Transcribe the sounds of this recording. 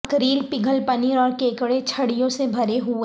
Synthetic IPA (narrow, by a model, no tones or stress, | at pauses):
kɾiːlpɪɡʱəlpɐniːɾɔːɾkeːkɽet͡ʃʰɐɽijõsebʱɐɾeɦu